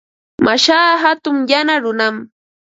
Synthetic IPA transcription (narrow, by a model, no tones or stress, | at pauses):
maʃaːɦat̪ʊŋjanaɾʊnam